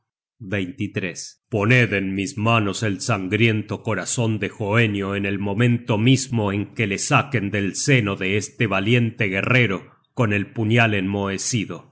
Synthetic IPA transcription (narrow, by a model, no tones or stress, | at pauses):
bejnt̪it̪ɾespo̞neðenmismano̞selsaŋɡɾje̞nt̪oko̞ɾaso̞nd̪exoenjo̞enelmõ̞mẽnt̪omizmo̞eŋkelesake̞nd̪elseno̞ðeest̪eβalje̞nt̪eɣere̞ɾo̞ | ko̞ne̞lpuɲalenmoesiðo̞